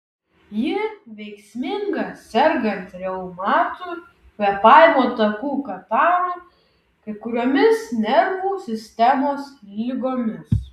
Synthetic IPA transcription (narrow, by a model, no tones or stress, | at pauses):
jɪʋʲɛɪksʲmʲɪŋɡɐsʲɛɾɡɐnt̪ɾʲɛʊmɑːt̪uː | pʲɛpɑːɪmoːt̪ɐkuːkɐt̪ɑːɾɐ | kɐɪkʊɾʲoːmʲɪsnʲɛɾʋuːsʲɪsʲt̪ʲɛmoːslʲɪɡoːmʲɪs